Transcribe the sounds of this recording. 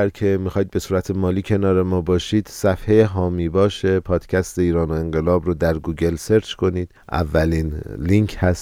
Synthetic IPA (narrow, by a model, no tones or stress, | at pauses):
æɾcʰe̞mixɒːjid̪̚be̞suːɾæt̪ʰemɒːliːcʰe̞nɒːɾe̞mɒːbɒːʃiːd̪̥sæfhejeɦɒːmiːbɒːʃe̞pʰɒːd̪̥cʰæst̪e̞iːɾɒːno̞e̞ŋɢe̞lɒːbɾod̪æɾɡuːɟe̞lse̞ɾt͡ʃʰkʰo̞niːd̪̥ʔæ̰vːæliːnliŋkʰhæs